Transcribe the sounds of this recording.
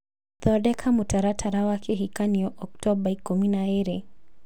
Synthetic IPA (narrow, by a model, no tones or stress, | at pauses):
θɔɾɗɛkʰamutaɾatʰaɾawakʰɛɦikaniɔʔɔktɔbaikuminaɛɾɛ